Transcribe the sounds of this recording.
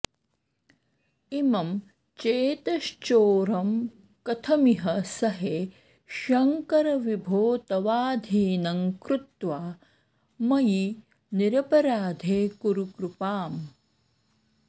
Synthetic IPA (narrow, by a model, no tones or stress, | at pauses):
imɐm | t͡ʃeːt̪ɐʃt͡ʃoːɾɐm | kɐt̪ʰɐmiɦɐsɐɦe | ʃɐŋkɐɾɐʋibʱoːt̪ɐʋaːd̪ʱiːnɐŋkɾut̪ʋaː | mɐji | niɾɐpɐɾaːd̪ʱeːkuɾukɾupaːm